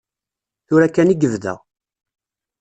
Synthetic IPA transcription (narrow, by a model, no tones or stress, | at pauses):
θʊɾækːæniɡəvðæ̰